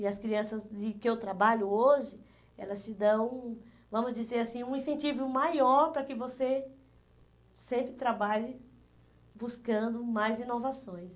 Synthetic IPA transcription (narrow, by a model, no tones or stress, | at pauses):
ɪɐskɾiɐ̃sɐzd͡ʒɪkɪewt̪ɾabaʎʊoʒɪ | ɛ̰lɐst͡ʃɪd̪ɐ̃w̃ | vɐ̃mʊzd͡ʒizeɾasĩũĩsẽnt͡ʃivʊmajɔɾpɾɐkɪvose | sẽmpɾɪt̪ɾabaʎɪ | buskɐ̃nd̪ʊmajzĩnovasõj̃s